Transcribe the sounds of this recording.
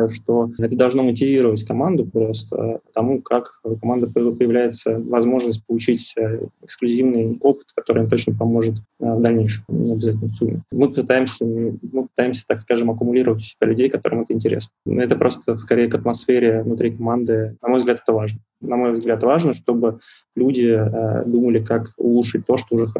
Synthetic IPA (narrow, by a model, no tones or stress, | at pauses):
jʊʂt̪oɛt̪əd̪ɐlˠʐno̞mətʲɪvʲiɾəvətʲkɐmand̪ʊpɾo̞st̪ə̰t̪ɐmukʰakkɐmand̪əppəjɪvlʲæjɪt̪səvɐzmo̞ʐnəsʲt̚ʲpəlˠʊt͡ɕitʲəɪksklʲʉzʲivnɨjo̞pɨ̥t̪kɐt̪o̞ɾɨjmt̪o̞t͡ɕnəpɐmo̞ʐɨt̪vd̪ɐlʲnʲejʂɨmnʲɪɐbʲɪzatʲɪlʲnəsumʲːɪ̰mɨpɨt̪ajɪmsʲəmɨpɨ̥t̪ajɪmsʲə̥t̪akskaʐɨmɐkʊmʊlʲiɾəvətʲʊ̥sʲɪ̥b̥ʲalʲʉdʲejkɐt̪o̞ɾʔɨmɛt̪əɪnʲtʲɪɾʲḛsnə̰ɛt̪əpɾʔo̞st̪əfskɐɾʲejəkɐt̪mɐsfʲeɾʲɪvnʊt̪ɾʲikɐmand̪ɨnɐmo̞jvzɡlʲat̪ɛ̥t̪əvaʐnə | nɐmo̞jvzɡlʲat̪vaʐnəʂt̪o̞bɨ | lʲudʲɪ̰d̪uməlʲɪkakʊ̰lˠuʂɨt̚ʲt̪ːo̞ʂt̪oʊʐɛx